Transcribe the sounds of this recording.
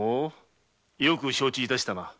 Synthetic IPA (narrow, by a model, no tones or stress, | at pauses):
o | jokɯ̟ɕo̞ːt͡ɕiːt̪aɕi̥t̪ana